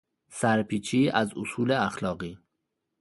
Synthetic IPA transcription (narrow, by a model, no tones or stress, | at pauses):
sæɾpʰiːt͡ʃʰiːæzosuːleæxlɒːɣiː